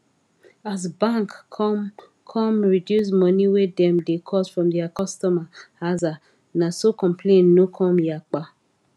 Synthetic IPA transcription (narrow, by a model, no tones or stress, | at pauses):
azbãŋkʰɔm | kʰɔmɹidjus̬mɔniwedɛ̃mdekʰɔsfɹɔ̃mdɛakɔstɔmaaza | nasokɔ̃mpʰlẽnnokʰɔmjak͡pa